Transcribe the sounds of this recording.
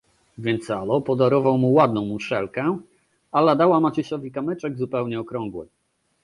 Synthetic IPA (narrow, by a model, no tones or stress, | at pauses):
vʲjɛnt̪salɔpɔd̪aɾɔvawmuwad̪̚nɔ̃w̃muʂɛlkɛ | alad̪awamat͡ɕiɕɔvʲikamɘt͡ʂɛɡzupɛwɲɛɔkɾɔ̃ŋɡwɛ̰